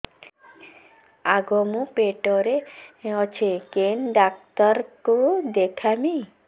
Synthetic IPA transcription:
aɡomũpeʈɔɾeɔt͡ʃʰekenɖak̚t̪ɔɾkod̪ekʰami

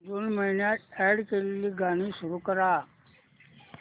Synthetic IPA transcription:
dunməɦinjaːɛɽkelːiɡaːnisʊɾukəɾaː

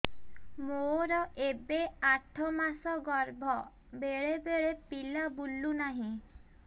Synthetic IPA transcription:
moɾɔʔebeaʈʰɔmasɔɡɔɾbʱɔ | beɭebeɭepilabulunaɦĩ

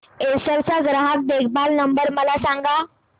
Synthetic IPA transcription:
esəɾt͡saɡɾaɦak̪̚d̪ekʰbalnəmbəɾməlasãŋɡa

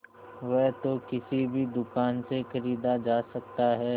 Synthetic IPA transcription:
ʋɛɦt̪okɪsibʱid̪ʊkaːnsexɐɾiːd̪ad͡ʒaːsɐk̚t̪aɦɛː

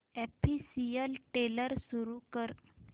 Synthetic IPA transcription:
ɛpʰisijəlʈeləɾsuɾukəɾ

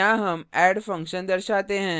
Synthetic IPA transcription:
ãːɦɐmɛːɖfɐ̃ŋkʃənd̪ɐɾʃaːt̪eɦɛ̃ː

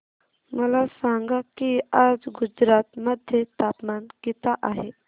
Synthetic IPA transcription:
məlasãŋɡakiad͡zɡud͡ʒɾat̪məd̪ʱjət̪apmankit̪aʔaɦe

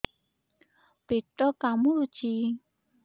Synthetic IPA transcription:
peʈɔkamuɾu̥t͡ʃi

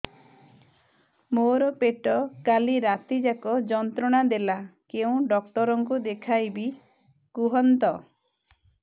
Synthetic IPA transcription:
moɾɔpeʈɔkaliɾat̪id͡ʒakɔd͡ʒɔnt̪ɾɔɽ̃ad̪elakeũɖɔkʈɔɾɔŋkud̪ekʰajbi | kuɦɔnt̪ɔ

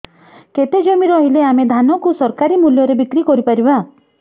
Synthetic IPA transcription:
ket̪ed͡ʒɔmiɾɔɦileamed̪ʱanɔkusɔɾkaɾimuljɔɾebikɾikɔɾipaɾiba

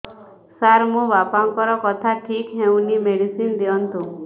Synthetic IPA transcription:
saɾmũʋapaŋkɔɾɔkɔt̪ʰaʈʰikɦeũnimeɽisind̪eɔnt̪ũ

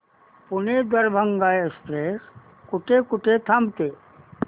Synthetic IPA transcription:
pʊned̪əɾbʱəŋɡaːekspɾeːs | kʊʈekʊʈet̪ʰɐmt̪eː

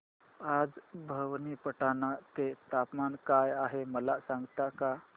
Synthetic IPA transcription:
ad͡zbʱəʋnipəʈanat̪et̪apmankajaɦeməlasaŋɡt̪aka

